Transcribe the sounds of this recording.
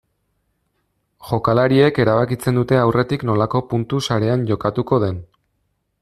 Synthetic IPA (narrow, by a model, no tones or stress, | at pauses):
ʝo̞kalaɾie̞ke̞ɾaβ̞akit͡se̞nd̪ut̪e̞awre̞t̪ikno̞lako̞punt̪usaɾe̞anʝo̞kat̪uko̞ðe̞n